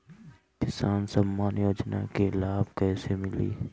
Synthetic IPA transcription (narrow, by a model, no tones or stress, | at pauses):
kɪsaːnsɐmːaːnjoːd͡ʒna̰kelaːbkɛːsemɪlḭː